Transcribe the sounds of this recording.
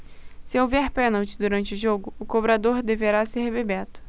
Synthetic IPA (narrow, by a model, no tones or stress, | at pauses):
sɪowvɛɾpɛ̃nawt͡ʃɪd̪uɾɐ̃nt͡ʃɪʊʒoɡʊʊkobɾad̪oɾd̪eveɾasehebebɛt̪ʊ̥